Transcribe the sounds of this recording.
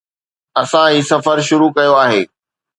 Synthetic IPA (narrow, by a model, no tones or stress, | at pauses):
ɐsãiːsɐfəɾʃʊɾukɐjoaːɦeː